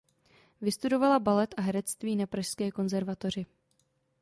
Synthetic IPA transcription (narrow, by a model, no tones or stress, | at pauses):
vɪst̪udo̞valabalɛt̪ʔaɦɛɾɛt͡st̪viːnapɾaʃskɛːko̞nzɛɾvat̪o̞r̝ɪ